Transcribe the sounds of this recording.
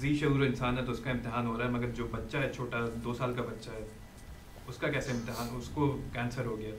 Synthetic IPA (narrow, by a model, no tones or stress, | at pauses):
ziːʃɐuːɾoɪnsaːnɦɛt̪oʊskaɪ̃mt̪ɪɦaːnɦoːɾaːɦɛmɐɡəɾd͡ʒoːbɐtːʃaɦɛt͡ʃʰoːʈad̪oːsaːlkabɐtːʃaɦɛ | ʊskakɛːseɪ̃mt̪ɪɦaːnʊskokɛ̃ːnsəɾɦoɡɐjaɦ